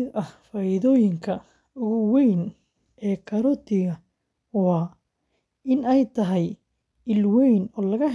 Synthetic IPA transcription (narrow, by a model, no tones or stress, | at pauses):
ɪʔɐhfaːɪðɔːjɪŋkʰɐ | ʊɣɐwɛjn | ʔɛːkʰɐɾɔt̪ʰɪɣɐ | wɑː | ɪnɛjt̪ʰɐɦɛj | ɪlwɛjnɔːlɐɣɐ